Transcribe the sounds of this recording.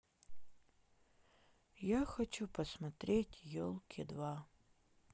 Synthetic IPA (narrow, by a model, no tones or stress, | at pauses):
jaxɐt͡ʃʰupʰɐsmɐt̪ɾʲʔetʲjolˠkʲʰɪdva